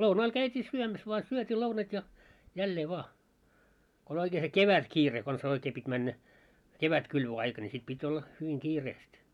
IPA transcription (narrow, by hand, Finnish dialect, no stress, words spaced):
lounɑːl kæytʲiː syømæs ʋoɑ syøtʲiː lounɑt jɑ jælːeː ʋoɑ ko olʲ oikeː se keʋætkiːre kons oikeː pitʲ mænːæ keʋætkylʋøɑikɑ ni sit pitʲ olːɑ hyʋiŋ kiːreːst